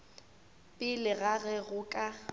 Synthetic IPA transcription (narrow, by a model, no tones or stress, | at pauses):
pʼɪlɪɣaɣɛɣʊkʼa